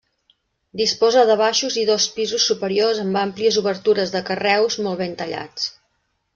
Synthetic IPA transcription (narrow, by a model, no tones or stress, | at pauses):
d̪ispɔzəðəβaʃuziðɔspizusːupəɾiozəmbampliəzuβəɾt̪uɾəzðəkərɛwzmɔlˠβent̪əʎa̰t͡s